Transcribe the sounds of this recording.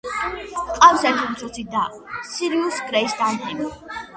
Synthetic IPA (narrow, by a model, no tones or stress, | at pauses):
qʼamsɛt̪ʰimt̪sʰɔt̪sʰid̪a | siɾiusɡɾɛisd̪ant̪ʰɛmi